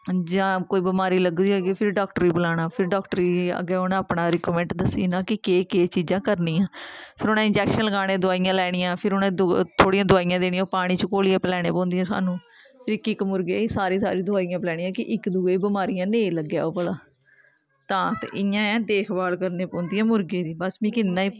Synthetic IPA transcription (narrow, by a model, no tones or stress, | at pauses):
d͡ʒãːkoːiːbəmaːɾiːləɡd̪iːoɡepʰɪɾɖaːkʈəɾiːblaːɽ̃aːpʰɪɾɖaːkʈəɾiːa̰ɡɛːonãapɳaːɾɪkːmɛ̃ːɳʈd̪əsḭːnaːkɪkeːkeːt͡ʃiːd͡ʒãːkəɾnĩːãːpʰɪɾonãːɪ̃nd͡ʒɛːkʃənləɡaːɽ̃ẽːd̪ʊaːijãːlɛːɽ̃ɪjãːpʰɪɾʊnẽːd̪t̪ʰoːɽiːãːd̪ʊaːijãːd̪eːñijãpaːɽ̃iːt͡ʃəkoːlijaːpəlɛːɽ̃eːpɔ̃ːnd̪ijãːsa̰ːnũː | pʰɪɾɪkɪkmʊɾɡeːsaːɾiːsa̰ːɾĩːd̪ʊaːijãːplɛːɽ̃iːãːkɪʔɪkd̪uːeːbəmaːɾijãːneːləɡːja̰ːoːpəlaː | t̪ãːt̪ḛːɪjãːɛ̃ːd̪eːkʰbaːlkəɾneːpɔ̃ːnd̪ijãːmʊɾɡeːd̪iːbəsmĩːkɪnnãːiː